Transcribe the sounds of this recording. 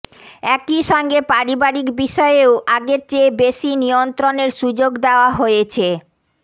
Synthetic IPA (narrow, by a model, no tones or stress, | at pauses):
ɛkiʃɔŋɡepaɾibaɾikbiʃɔeoʔaɡeɾt͡ɕebeʃinijont̪ɾoneɾʃud͡ʑoɡd̪eoaɦojet͡ɕʰe